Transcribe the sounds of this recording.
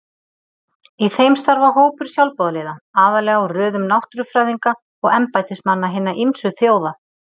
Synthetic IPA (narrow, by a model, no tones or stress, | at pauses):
iθejmst̪aɾvaɦoːwpʏɾ̥sjawlpɔðaleːðaaːðalɛːɣɔwrœːðʏmnawht̪ɾʏfɾaːjðiŋka | ɔɣɛmpajt̪ɪsmanːaɦɪnːaʔimsʏθjoːwða